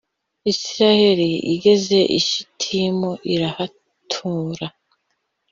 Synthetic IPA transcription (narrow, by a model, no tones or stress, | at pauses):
isiɾahe̞ɾiḭɡe̞ze̞ʔḭʃi̥tʰimoʔiɾaha | tʰuːɾa